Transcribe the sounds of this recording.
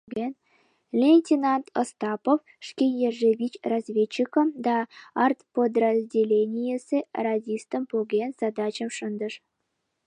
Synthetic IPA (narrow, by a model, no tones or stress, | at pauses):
ɡen | lʲenʲtʲinɑnt̪ʰost̪ɑpof | ʂkʲejeʐevʲit͡ɕrazvʲet͡ɕːikə̆md̪ɑɑrt̪pod̪rəzʲdʲelʲenʲijesʲerɑzʲist̪ə̆mpoɡʲenz̥ɑd̪ɑt͡ɕə̆mʂənd̪əʂ